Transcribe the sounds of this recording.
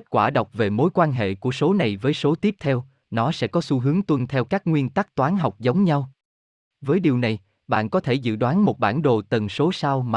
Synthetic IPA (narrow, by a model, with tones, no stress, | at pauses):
t̚kwaː˧˩ɗə˨˩wk͡p̚ve˨˩mo˨˦jkwaː˧nɦḛ˧˨ku˧˩əso˨˦na˨˩jvəː˨˦jso˨˦t̪i˦˥əp̚t̪ʰɛ˧w | nɔ˨˦sɛ̰˧˥kɔ˨˦su˧ɦɨ˨˦əŋt̪wə˧nt̪ʰɛ˧wkaː˦˥k̚ŋwi˧ənt̪a˦˥k̚t̪waː˨˦nɦa˨˩wk͡p̚zə˨˦wŋ͡mɲa˧w | vəː˨˦jɗi˨˩wna˨˩j | ɓa̰ː˧˨nkɔ˨˦t̪ʰe˧˩zɨ̰˧˨ɗwaː˨˦nmo˨˩t̚ɓa̰ː˧˩nɗo̰˨t̪ə˨˩nso˨˦sa˧wma˨